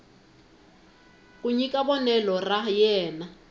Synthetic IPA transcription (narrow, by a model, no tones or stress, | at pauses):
k̬ʼuɲikʼabɔnɛlɔrajɛːna